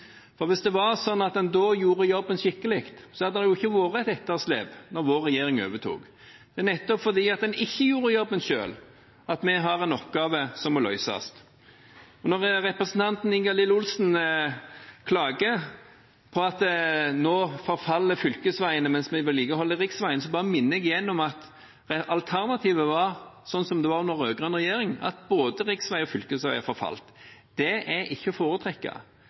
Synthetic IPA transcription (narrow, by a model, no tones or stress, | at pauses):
fɔɾʋɪsd̪ɛʋɑɾsɔnːɑt̪̚d̪ɛnd̪oːjuːɾəjɔbːənʃɪkːəlɪkt̪sɔhɑd̪əd̪ɛjʊɪçːəʋoːɾəæt̪ɛt̪ːəʁslḛːpnɔɾʋoːɾɛjeːʁɪŋø̰ːʋət̪ʰṵːk | d̪̥ɛæʁnɛt̪ːɔpfɔʁd̪iːɑt̪̚d̪ɛnɪçːəjuːɾəjɔbːənʃø̰ːl | ɑt̪mɛɦɑɾɛnɔpɡɑːʋəsɔmɔlœʏsɑ̰st̪ | ɔnɔʁɾɛpɾəsən̩t̪ʰɑnt̪n̩ɪŋɡɑlɪlʊlsn | kʰlɑːɡə | pʰɔɑt̪noːfɔɾfɑlːəfʏlkəsʋæɪənəmɛnsmɛʋɪlːiːkəhɔlːəʁɪksʋæɪənəs̬ɔbɑːʁəmɪnːəɛɡɪjɛnːɔmɑt̪ | ɛɑlt̪ʰæʁnɑt̪ʰiːʋəʋɑʁsɔnsɔmd̪ɛʋɑʁnɔɾøːɡɾʁɑnʁɛjeːʁɪŋɑ̰t̪boːd̪əʁɪksʋæɪɔfʏlkəsʋæɪæfɔɾfɑ̰lt̪d̪̥ɛʔɛɪçːəfoːɾət̪ʰɾɛkːɑ̰